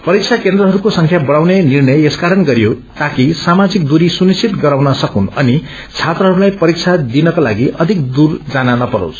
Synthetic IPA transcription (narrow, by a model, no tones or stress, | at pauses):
pʌɾik̚t͡sʰakend̪ɾʌɦʌɾukosʌŋkʰjabʌɽ̃awnenirnʌjeskaɾʌnɡʌɾijo | t̪akisamad͡zik̚d̪uɾisunist͡sʰit̪ɡʌɾawnʌsʌkunʌni | t͡sʰat̪rʌɦʌɾulajpʌɾik̚t͡sʰad̪inʌkalaɡiʔʌd̪ʱik̚d̪urd͡zananʌpʌɾo̰s